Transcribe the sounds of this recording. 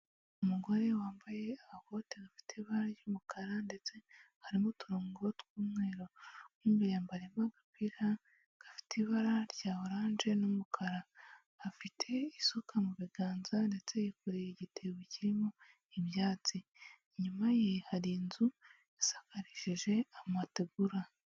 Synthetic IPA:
umuɡo̞ɾe̞waːmbaje̞aβako̞teɡafi̥tʰeβaɾaɾjomukaɾande̞t͡se̞ | haɾimotuɾoːŋɡootwuːmŋe̞ːɾo̞uːmɡejaːmbaɾemaɡapiɾa | ɡ̥afi̥teiβaɾaɾɟaːoɾaːnʒe̞nomukʰaɾa | hafitʰe̞isokʰamuβiɡaːnzande̞t͡se̞jekuɾeiɟitʰeweciɾimo | iβjaːt͡si | ɲumajehaɾiːnzu | esḁkaɾiʃiʒe̞amateɡuɾa

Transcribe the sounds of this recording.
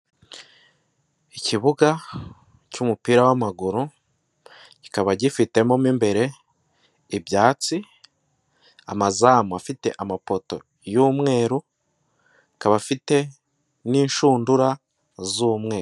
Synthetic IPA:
iciβuɡa | cumupiːɾawamaɡuɾu | ci̥kaβaɟifite̞momimbe̞ɾe̞ | ibjaːt͡si | a̰mazamafite̞̰ʔamapo̞to̞̰ | juːmŋe̞ːɾu | kaβafite̞ | niːnʃuːnduɾa | zuːmŋe̞ːɾ

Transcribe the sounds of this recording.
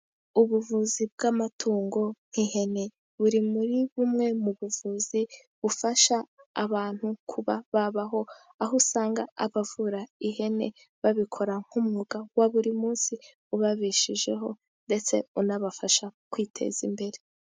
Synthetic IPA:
uβuvuzibɡamatʰuːŋɡo̞ŋ̥hihe̞ne̞ | βuɾimuɾiβumŋe̞muβuvuzi | βufaʃaːβaːn̥hukʰuβaβaβaɦo̞ | aɦusaːŋɡaa̰βavuɾaihe̞ne̞̰ | βaβikʰo̞ɾaŋ̥humŋuɡawaβuɾimuːnsi | uβaβiʃiʒe̞̰ɦo̞ | nde̞t͡se̞̰unaβafaʃakwitʰe̞̰z̥ḭmbe̞ɾe̞

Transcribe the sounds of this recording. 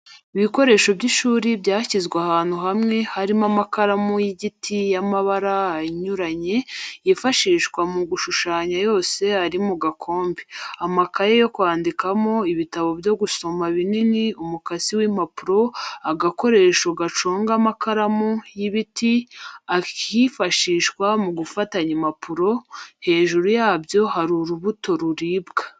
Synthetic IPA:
iβiko̞ɾe̞ːʃo̞bɟiʃuːɾibɟaːcizɡweahaːn̥huhamŋe̞haɾimamakaɾamujiɟitʰijamaβaɾaaɲuɾaɲe̞ifaʃiːʃkwamuɡuʃuʃaːɲajo̞ːse̞aɾimuɡakʰo̞ːmbiamakajejo̞kwaːndikamo̞iβitaβo̞bjo̞ɡuso̞maβininiumukaziwimapuɾo̞aɡako̞ɾe̞ːʃuɡat͡ʃoːŋɡamakʰaɾamujiβitiakʰifaʃiːʃkwamuɡufataɲimapʰuɾo̞he̞ːʒuɾujaːbjo̞haɾuɾuβuto̞ɾuɾiːbɡḁ

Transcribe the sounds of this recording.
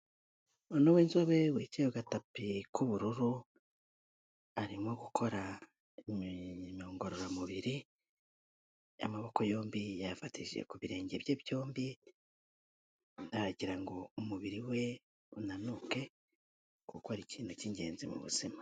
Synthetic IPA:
onowiːnzoβe̞wicejoɡatapikʰuβuɾuɾu | aɾimo̞ɡukʰo̞ɾa | moːŋɡo̞ɾo̞ɾamuβiɾi | a̰maβo̞ko̞jo̞ːmbijafatḭʒḛkuβiɾe̞ːɲɟeβjebjo̞ːmbi | aɾaɟiɾaŋɡo̞umuβiɾiwe̞ | unanuke̞ | kukohaɾiciːn̥huciɲɟe̞̰ːnzimṵβṵz̥ima

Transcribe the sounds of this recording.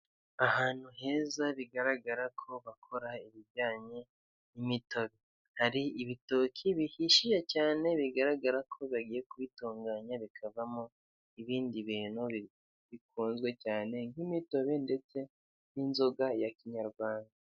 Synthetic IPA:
ahaːn̥huɦe̞ːzaβiɡaɾaɡaɾakʰo̞βakʰo̞ɾaiβiɟaːɲe̞ | nimito̞βe̞ | haɾiiβitoːkʰiβihiʃiʒecaːne̞βiɡaɾaɡaɾakʰo̞βaɡije̞kuβituːŋɡaɲaβikʰavamo | iβiːndiβiːnuβi | βikʰuːnzɡwe̞caːne̞ŋɡimito̞βe̞nde̞t͡se̞ | ninzo̞ɡajakiɲaɾɡwaːnda

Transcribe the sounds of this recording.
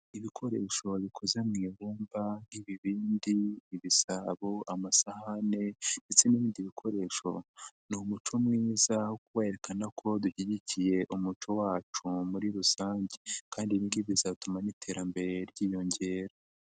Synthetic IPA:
iβikʰo̞ɾe̞ːʃo̞βikʰo̞zemŋiβuːmbaniβiβiːndiːβisaβoʔamasahane̞nde̞t͡se̞niβiːndiβikʰo̞ɾe̞ʃo̞̰numut͡ʃomŋiːzawokuweːeɾe̞kanakʰo̞duçiɟicije̞ʔumut͡ʃo̞waːt͡ʃumuɾiɾusaːɲɟekaːndiβiːndiβizatumanitʰe̞ːɾambe̞ɾe̞ɾɟiːjo̞ɲɟe̞ːɾa

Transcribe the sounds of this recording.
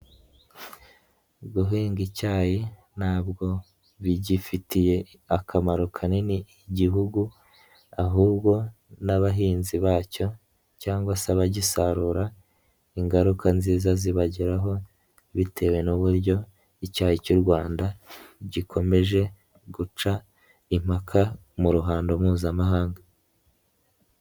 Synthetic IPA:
ɡuɦiːŋɡicaːje | naːb̚ɡo̞ | βiɟifitʰije̞ | akʰamaɾokʰaniniːɟiɦuɡu | aɦuːbɡo̞naβaɦiːnziβaːco̞ | caːŋɡwasaβaɟisaɾuːɾa | iŋɡaɾukʰanziːzaziβaɟiɾaɦo̞ | βitʰe̞we̞nuβuɾɟo̞ | icaːhicuɾɡwaːndaɟikʰo̞me̞ʒe̞ | ɡut͡ʃa | im̥hakʰa | muɾuɦaːndo̞muːzamaɦaːŋɡa

